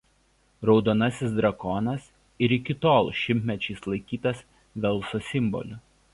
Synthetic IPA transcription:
ɾɒʊd̪oːnɐsʲɪsd̪ɾɐkɔnɐs | ɪɾɪkʲɪt̪oːlˠʃʲɪmʲt̪ʲmʲɛt͡ʃʲɛɪslˠɐɪkʲiːt̪ɐs | ʋʲɛlˠsosʲɪmbɔ̰lʲʊ

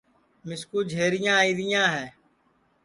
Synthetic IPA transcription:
mɪskuːd͡ʒʱeːɾɪjãːiːɾɪjãːɦɛː

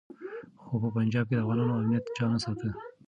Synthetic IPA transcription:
xopəpand͡ʒɑb̚ked̪afɣɑlɑnoamnijat̪d͡ʒɑnasəlkə

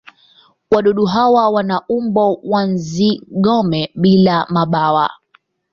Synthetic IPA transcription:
waɗɔɗuɦawawanaʔumbɔwanziɠɔmɛɓilamaɓawa̰

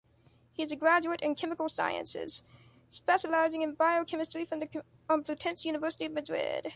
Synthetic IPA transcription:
hiɨzɨɡɹæd͡ʒʉɨɾɨ̃nkʰɛmɨkl̩ˠsa̰ɪɨ̰̃nsɪ̰z̥ | spɛʃəlaɪzɪ̃ŋɨ̃nbaɪoʊkʰɛmɨstɹ̥ifɹʌ̃mðɨ | ə̃mpʰl̥ʉtʰɛ̃nsjʉnəvɜ˞səɾiʌvmɨdɹɪ̰d̥

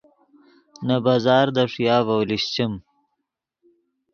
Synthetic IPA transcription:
nabaːzɑːɾd̪aʂjaːvawliɕt͡ɕim

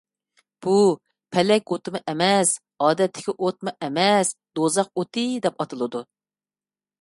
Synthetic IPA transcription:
b̥u | pʰɛlɛkʲot̪ɨmɨʔɛmɛs | ɑːd̪ɛt̪ʰːɪ̥kʲiʔot̪̚mɨʔɛmɛsd̪̥ozɑqot̪ʰɨd̪ɛpɑt̪ʰɨlˠɨd̪u

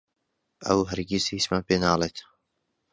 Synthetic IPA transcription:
ʔɐ̰wɦəɾɡisismaːnpeːnaːlet̪

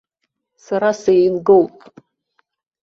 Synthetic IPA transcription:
saɾasejnɡowpʼ

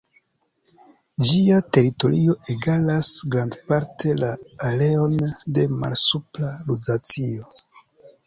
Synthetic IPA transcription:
d͡ʒiate̞ɾito̞ɾio̞ʔeɡalasɡɾandpaɾtʰe̞laːle̞o̞nde̞ma̰lsuplalud͡zat͡sio̞

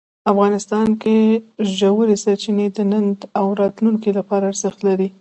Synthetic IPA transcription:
afɣɑnɪst̪ɑnkeʒawəɾesaɾt͡ʃined̪ənand̪awɾɑt̪luŋkilapɑɾaːɾzɪxt̪laɾi

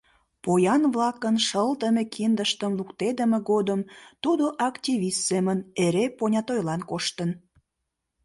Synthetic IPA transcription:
pojɑnβlɑkənʃəlt̪əmekʰind̪əʃt̪əmlukt̪ed̪əmeɡod̪əmt̪ud̪oʔɑktʲiβʲist̪seməneɾeponʲɑt̪ojlɑnkoʃt̪ən

